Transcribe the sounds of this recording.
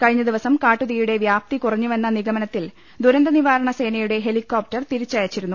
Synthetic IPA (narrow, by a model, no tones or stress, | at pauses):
kɐɻiɲːɐd̪iʋɐsɐmkaːʈːuðɐjuɽe̞ʋjaːp̚t̪ikurɐɲːume̞nːɐniɡɐmɐnɐt̪ːil | d̪uɾɐnd̪ɐniʋaːɾɐɳɐse̞ːnɐjuɽe̞ɦe̞likːo̞ːp̚ʈɐrt̪iɾit͡ɕːaːjɐt͡ɕːiɾunːu